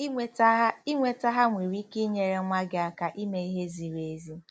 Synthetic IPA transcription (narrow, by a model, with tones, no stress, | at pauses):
i˦ŋʷe˨ta˦ɦa˦ŋʷi˨ɾi˦ki˦ɲe˨ɾe˦ma˦ɡɪ˦a˨ka˨ʔi˦me˨i˦ɦe˦zi˨ɾe˨˦zi˦